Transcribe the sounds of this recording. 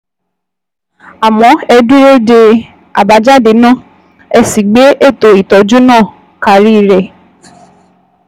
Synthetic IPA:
a˨mɔ̃˨˦ɛ˧du˦e˦de˧ | a̰˨ba˨˦d͡ʒa˦de˨˦nã˦˨ | ɛ˧si˨ɡ͡be˨˦e˦˨to˨i˨tɔ˨˦d͡ʒu˦nãː˦˨ | ka˨ɾi˦˨ɾɛ˨

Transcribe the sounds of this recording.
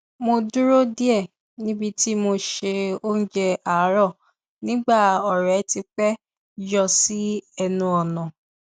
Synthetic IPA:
mo˧du˦ɾo˦di˦ɛ˦˨ | nĩ˦bi˧ti˦mo˧ʃe˧o˦n̩˦d͡ʒɛ˧a˨˦ɾɔ˦˨ | nĩ˦ɡ͡ba˦˨ɔ˨ɾɛ˨˦ti˧k͡pɛ˦ | d͡ʒɔ˧si˦ɛ˧nũ˧ɔ˨nã˨

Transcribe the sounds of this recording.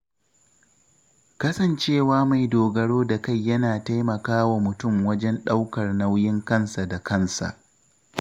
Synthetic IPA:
kɐ˦sɐ˨nt͡ʃeː˦˨waː˦ma˨jdoː˨ɡɐ˨ɽoː˦da˨ka˦˨jːɐ˦naː˨ta˦jmɐ˨kaː˦wa˨mʊ˨tʊ˦˨mwɐ˦d͡ʒɛ˦nɗa˦wkɐ˨rna˦wjɪ˦ŋkɐ˦nsa˨da˨kɐ˦nsa̰˨ʔ

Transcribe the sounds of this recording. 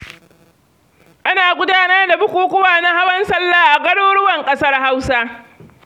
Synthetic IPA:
ʔa˦naː˨ɡʷʊ˦daː˦nɐ˦rda˨bʊ˦kʷuː˨kʷʊ˦waː˨na˦ha˦wɐ˦nsɐ˦lːaː˦ʔa˨kʼɐ˦ɽoː˦ɽʊ˦wɐ˨ŋkʼɐ˦sɐ˦rha˦wsa˦

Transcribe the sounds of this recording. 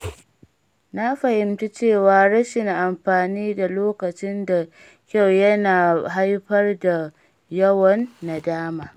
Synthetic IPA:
na˦ɸɐ˨hɪ˨mta˦t͡ʃeː˦˨waː˨ɾɐ˦ʃɪ˨ŋʔa˨mɸaː˨niː˦da˨loː˦kɐ˨t͡ʃɪ˦nda˨ | kʲa˦˨wjɐ˦naː˨ɦa˦jɸɐ˦rda˨ | jɐ˦wɔ˨nːa˨daː˦maː˨

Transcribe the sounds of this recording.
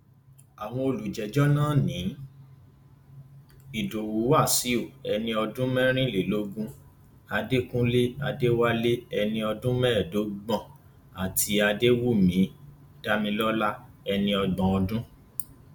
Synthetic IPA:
a˨w̃ɔ̃˧o˧lu˨d͡ʒɛ˨d͡ʒɔ˦nãː˦˨nĩ˨˦ | i˨do˨wu˨˦a˦˨si˨˦o˦˨ɛ˧nĩ˧ɔ˧dũ˦mɛ̃˦ɾ̃ĩ˦le˨lo˦ɡũ˦ | a˧de˦kũ˦le˦a˧de˦wa˦le˦ɛ˧nĩ˧ɔ˧dũ˦mɛ̃ː˦˨do˨˦ɡ͡bã˦˨ | a˨ti˧a˧de˦wu˦˨mĩ˨˦ | d̥a˦mĩ˧lɔ˦la˦ɛ˧nĩ˧ɔ˧ɡ͡bɔ̃˨ɔ˧dũ˦

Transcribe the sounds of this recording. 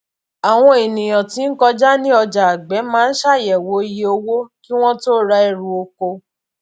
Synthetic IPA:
a˨w̃ɔ̃˦e˨nĩ˨j̃ɔ̃˨ti˨˦n̩˦kɔ˧d͡ʒa˦nĩ˦ɔ˧d͡ʒa˨a˨ɡ͡bɛ˨˦mãː˨˦n̩˦ʃa˦˨jɛ˨wo˨˦i˦je˧o˧wo˦ki˦w̃ɔ̃˦to˦ɾa˧ɛ˧ɾu˨o˧ko˧

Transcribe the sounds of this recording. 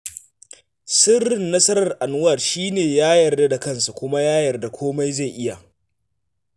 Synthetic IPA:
sɪ˦rːɪ˨nːɐ˦sɐ˦ɾɐ˨rʔa˨nʊ˦wɐ˨rʃiː˦neː˨jaː˦jɐ˨rda˦da˨kɐ˦nsa˨kʷʊ˦ma˦jaː˦jɐ˨rda˨kʷʰoː˦ma˦jza˦˨jʔɪ˦ja˨

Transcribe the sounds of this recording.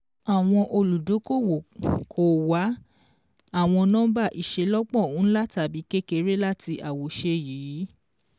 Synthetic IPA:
a˨w̃ɔ̃˧ʔo˧lu˨do˨˦ko˦˨wo˨kʰo˨wa˨˦ | a˦˨w̃ɔ̃˧nãː˦ba˦˨ʔi˨ʃe˨˦lɔ˦k͡pɔ̃˦˨ũ˨˦la˦ta˨bi˨˦ke˦ke˧ɾe˦la˦ti˧ʔa˨wo˨˦ʃe˧jiː˨˦

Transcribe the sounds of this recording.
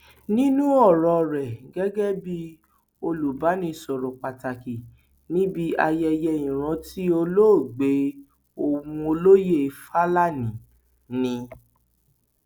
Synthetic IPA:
nĩ˦nũ˦ɔ˦˨ɾɔ˨˧ɾɛ˨ɡɛ˦ɡɛ˦bi˦ | o˧lu˨ba˨˦nĩ˧˦sɔ˨ɾɔ˨k͡pa˨ta˨ki˨ | nĩ˦bi˦a˧jɛ˧jɛ˧ĩ˨ɾ̃ã˨˧ti˦o˧lo˦˨ɡ͡be˨˦ | o˦˨wũ˧o˧lo˦je˦˨˧fa˦la˦˨nĩ˨ | nĩ˧

